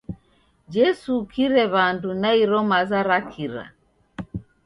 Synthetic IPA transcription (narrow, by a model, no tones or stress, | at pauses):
d͡ʒɛsukʰiɾɛβandunaiɾɔmazaɾakʰiɾa̰